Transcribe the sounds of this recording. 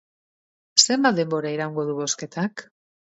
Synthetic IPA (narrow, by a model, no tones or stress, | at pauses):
se̞mbat̪̚d̪e̞mbo̞ɾaiɾawŋɡo̞ðuβo̞ske̞t̪ak